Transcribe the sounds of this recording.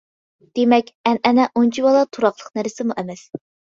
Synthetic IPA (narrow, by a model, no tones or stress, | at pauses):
d̪̥emɛkʲɛnɛnɛʔont͡ʃʰibɑlˠɑt̪ʰuɾɑqlˠəqnæɾɪsɪmuʔɛmɛs